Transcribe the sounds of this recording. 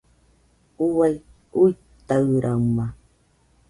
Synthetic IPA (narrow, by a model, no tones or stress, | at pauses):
ʊwaj | ʊj | t̪awɾʔama